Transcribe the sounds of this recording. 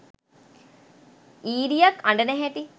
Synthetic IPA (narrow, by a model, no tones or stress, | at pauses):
iːɾijakɐɳɖənɛɦɛʈi